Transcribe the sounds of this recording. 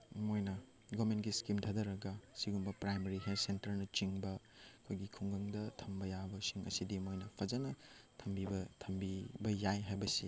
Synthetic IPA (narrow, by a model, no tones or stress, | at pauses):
mojnɐ | ɡomentɡiskimtʰɐdɐɾɐɡɐsiɡumbɐpɾajmɐɾiɦesentɐɾnɐt͡ʃiŋbɐ | kʰojɡikʰuŋɡɐŋdɐtʰɐmbɐjabɐsiŋɐ̰sidimojnɐpʰɐd͡ʒɐnɐtʰɐmbibɐtʰɐmbibɐjajɦajbɐsḭ